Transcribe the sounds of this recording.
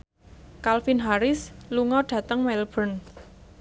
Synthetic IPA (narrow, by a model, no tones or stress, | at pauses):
kalfinɦaɾɪsluŋɔɖ̥ä̤t̪əŋmɛlb̥ən